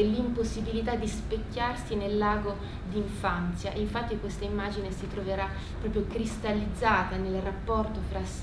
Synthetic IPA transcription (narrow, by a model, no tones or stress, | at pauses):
limposːibilit̪ad̪ːispekːarsinelːaːɡo | d̪iɱfant̪sjaʔiɱfat̪ːikwest̪aimːaːd͡ʒinesit̪ɾoveɾa | pːɾɔpɾjokɾist̪alːid̪zːaːt̪anelrapːɔrt̪ofɾas